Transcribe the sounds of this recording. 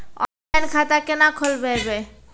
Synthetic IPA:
ɔ̰nlajnkʰat̪akenakʰolbeebe

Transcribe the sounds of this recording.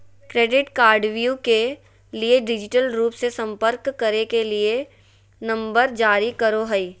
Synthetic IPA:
kɾeːɖɪʈkaːɾɖʋjuke | lieɖɪd͡ʒɪʈəlɾuːpsesɐ̃mpəɾkːɐɾekelie | nɐ̃mbəɾd͡ʒaːɾikɐɾoɦəiː

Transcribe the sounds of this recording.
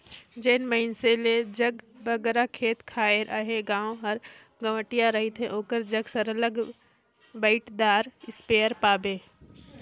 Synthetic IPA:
d͡ʒeːnməɦɪnseled͡ʒɐɡbɐɡɾakʰeːt̪kʰaːeɾʔaɦeɡãːõɦɐɾ | ɡɐʋəʈijaɾɐɦit̪ʰẽʔoːkəɾd͡ʒɐɡsɐɾələɡ | baɪʈd̪aːɾɪspeːəɾpaːbeː

